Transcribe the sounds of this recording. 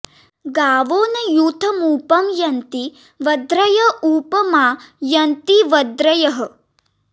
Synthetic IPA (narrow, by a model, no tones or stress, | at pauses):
ɡaːʋoːnɐjuːt̪ʰɐmuːpɐmjɐnt̪i | ʋɐd̪ɾɐjɐuːpɐmaːjɐnt̪iʋɐd̪ɾɐjɐɦɐ̆